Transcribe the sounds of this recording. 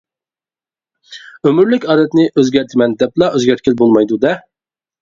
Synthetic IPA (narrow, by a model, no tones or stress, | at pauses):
ømyɾlɪkʲɑːd̪ɛt̪nɪʔøzɡʲæɾt̪ʰɪmɛnd̪ɛplˠɑøzɡʲæɾt̪̚kʲɪlbolˠmɑjd̪ud̪ɛ